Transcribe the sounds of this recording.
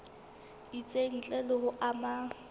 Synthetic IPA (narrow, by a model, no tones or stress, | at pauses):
it͡sʼen̩t͡ɬʼɛlɔhʊʔama